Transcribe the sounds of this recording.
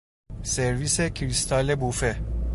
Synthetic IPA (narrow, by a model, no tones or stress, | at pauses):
seɾviːsekʰɾist̪ʰɑːlebufe